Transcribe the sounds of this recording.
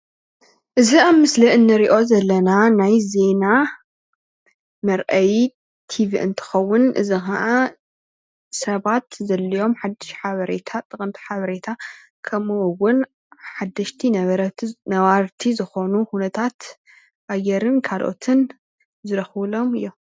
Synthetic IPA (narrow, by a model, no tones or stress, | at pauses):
ʔɨziamːɨslɐɨnːɨɾiʔo̞zɐlːɐnanajze̞na | mɐɾʔɐj | t̪ʰiviʔɨ̰nt̪ʰɨ̥xɐwːʊnʔɨ̰zixaʕa | sɐβat̪zɐlːijo̞mħad̪ːɨʃħaβɐɾe̞̰t̪ʰat̪ʼɨkʼɨnt̪ʰi̥ħaβɐɾet̪ʰa | kʰɐmuwwʊn | ħad̪ːɐʃt̪ʰinɐβɾɐnɐwaɾt̪ʰizɨxo̞nuhunɐt̪ʰat̪ | ʔajɛɾɨnkʰalʔo̞̰t̪ʰɨn | zɨɾɐxβɨlo̞mɨ̰jːom